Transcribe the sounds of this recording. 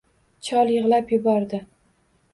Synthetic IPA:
t͡ʃʰɒlˠjɨʁlapjʊbɒɾd̪ɪ

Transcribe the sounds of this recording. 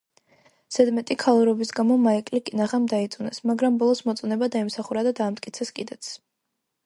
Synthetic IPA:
sɛd̪mɛt̪ʼikʰalˠuɾɔbisɡamɔmaikʼlikʼinaʁamd̪ait̪sʼunɛsmaɡɾambɔlˠɔsmɔt̪sʼunɛbad̪aimsaχuɾad̪ad̪aːmt̪kʼit̪sʰɛskʼid̪ɛt̪sʰ

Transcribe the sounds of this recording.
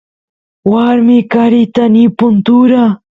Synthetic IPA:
waɾmɪkaɾɪt̪anipʊnt̪ʊɾa

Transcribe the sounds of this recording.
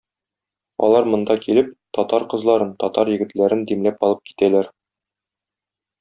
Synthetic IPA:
ɒ̰lˠɑɾmŏnd̪ɑkilɘp̚t̪ɒt̪ɑɾqɤ̆zlˠɑɾɤnt̪ɒt̪ɑɾjɘ̆ɡɘ̆t̪læɾɘnd̪imlæpɒlˠɤp̚ki̥t̪ælæɾ

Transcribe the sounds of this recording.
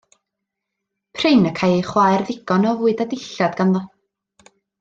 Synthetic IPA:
pʰrɪnəkʰajχwaːjrðɪɡ̥ɔnɔvuːɨdadɪɬadɡ̥anðɔ

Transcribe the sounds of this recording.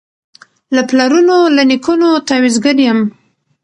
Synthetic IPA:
laplaɾunolanikunot̪awizɡəɾjam

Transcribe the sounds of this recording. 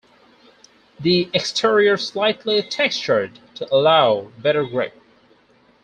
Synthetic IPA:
ðiɛkstʰiɹiə˞slaɪtʰˡlitʰɛkst͡ʃə˞d̚tʰəʔəlaʊbɛɾə˞ɡɹeɪp̚

